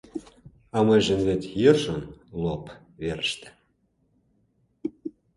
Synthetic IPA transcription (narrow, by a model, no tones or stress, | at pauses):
ɑmɤjʒə̆nβet̪ʲjərʃonlop | βeɾəʃt̪ĕ̥